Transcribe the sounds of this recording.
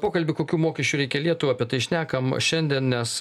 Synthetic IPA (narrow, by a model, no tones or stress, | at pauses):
poːkɐlʲbʲɪkoːkʲuːmoːkʲɛʃʲt͡ʃʲuːɾʲɛɪkʲɛlʲiɛt̪ʊʋɐpʲiɛt̪ɐɪʃʲnʲæːkɐmʃʲɛnʲd̪ʲiɛnnʲɛs